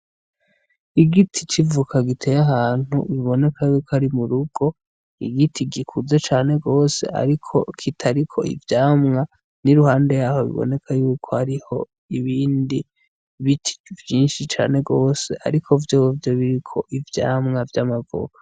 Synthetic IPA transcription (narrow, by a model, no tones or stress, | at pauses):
iɡitʰit͡ʃivukʰaɡitʰe̞jaɦaːn̥hṵβiβo̞ne̞kʰajuːkaɾimuɾuɡ̥o̞ | ḭɡitʰiɡikʰuzat͡ʃaːne̞ɡo̞ːse̞̰a̰ɾikʰo̞̰kʰitʰaɾikʰo̞̰ḭvjaːmŋa | niɾuhaːnde̞jaːho̞βḭβo̰ne̞kʰajuːkʰohaɾiho̞ | iβiːndi | βitʰi̥vjiːnʃit͡ʃa̰ːne̞ɡo̞ːse̞ʔa̰ɾikʰo̞vjoːwvjoβiɾikʰo̞ʔivja̰ːmŋavjamaɡo̰ko̥